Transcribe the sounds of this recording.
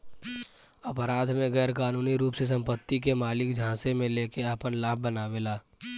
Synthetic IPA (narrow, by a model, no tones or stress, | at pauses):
əpəɾaːd̪ʱmẽɡɛːɾkaːnuːniɾuːpses̬ə̃mpət̪ːikemaːlɪk̚d͡ʒʱãːsemẽleːkeaːpənlaːb̚bənaːʋelaː